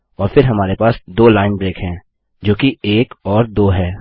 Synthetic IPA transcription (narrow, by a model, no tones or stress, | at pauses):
ɔːɾfɪɾɦɐmaːɾepaːsd̪oːlaːɪnbɾeːkɦɛ̃ː | d͡ʒoːkieːkɔːɾd̪oːɦɛː